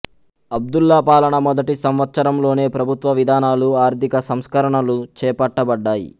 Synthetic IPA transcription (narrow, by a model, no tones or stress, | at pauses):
ɐb̚d̪ulːɐpaːlɐɳɐmɔd̪ɐʈisɐmʋɐt̪sɐɾɐmlo̞ːne̞ːpɾɐbʱut̪ʋɐʋid̪ʱaːnaːluaːɾt̪ikɐsɐmskɐɾɐɳɐlut͡ʃɛːpɐʈːɐbɐɖːaːjḭ